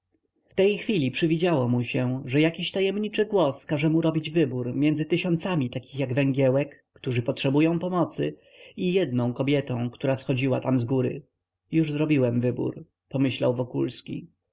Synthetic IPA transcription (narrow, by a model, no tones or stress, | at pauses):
ft̪ɛjxfʲilʲipʂɘvʲid͡ʑawɔmuɕɛʐɛjakʲiɕt̪ajɛmɲit͡ʂɘɡwɔskaʐɛmuɾɔbʲid͡ʑvɘbuɾmʲjɛnd̪zɘt̪ɘɕɔnt̪samʲit̪akʲixjaɡvɛŋɡʲjɛwɛkːt̪uʐɘpɔtʂɛbujɔ̃w̃pɔmɔt̪sɘ̰ | ijɛd̪nɔ̃w̃kɔbʲjɛt̪ɔ̃w̃kt̪uɾasxɔd͡ʑiwat̪amzɡuɾɘ̰ | juʐzɾɔbʲiwɛmvɘbṵɾ | pɔmɘɕla̰wvɔkulskʲḭ